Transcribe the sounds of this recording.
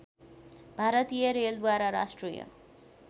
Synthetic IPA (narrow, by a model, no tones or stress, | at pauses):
bʱaɾʌt̪ijʌɾeld̪waɾaɾa̰sʈrija̰